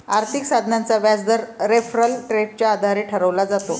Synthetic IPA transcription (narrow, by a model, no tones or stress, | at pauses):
aɾt̪ʰiksad̪ʱnant͡saʋjad͡zd̪əɾɾefɾəlʈɾeɖ̚t͡ɕjaːd̪ʱaɾeʈʰəɾəʋlad͡zat̪o